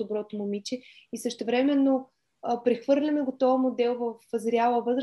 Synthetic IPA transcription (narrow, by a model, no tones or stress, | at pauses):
obɾɔt̪omomit͡ʃɛisəʃt̪ɛvɾɛmɛnːo | pɾɛxvɤɾlʲɐmɛɡot̪ɔvəmod̪ɛlˠvəfəzɾʲjalˠəvɤzɾ